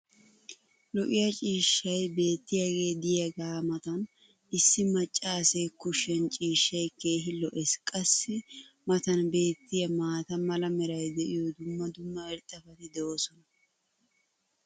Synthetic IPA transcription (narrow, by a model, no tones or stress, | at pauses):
lɔʔɪjɐt͡ʃʼiːʃːɐjbe̞ːt̪ːɪjɐɡe̞ːd̪ɪjɐɡaːmɐt̪ɐn | ɪsːɪmɐt͡ʃʼːaːsekʊʃːɛnt͡ʃʼiːʃːɐjke̞ːɦɪlɔʔɛskʼɐsːɪmɐt̪ɐnbe̞ːt̪ʰːɪjɐmaːt̪ɐmɐlɐmɛɾɐjd̪ɛʔɪjɔd̪ʊmːɐd̪ʊmːɐɛɾt̪ʼːɐfɐt̪ɪd̪ɛoːsɔnɐ